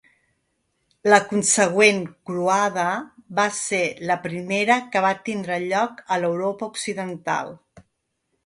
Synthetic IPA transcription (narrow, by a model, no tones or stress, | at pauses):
ləkunsəɣ̞wenkɾuaðəβaseləpɾimeɾəkəβat̪ind̪ɾəʎɔkələwɾopəuksiðənt̪a̰lˠ